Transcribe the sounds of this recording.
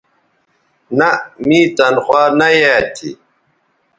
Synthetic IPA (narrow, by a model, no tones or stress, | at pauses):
namit̪ɐnxwaːnajat̪ʰḭ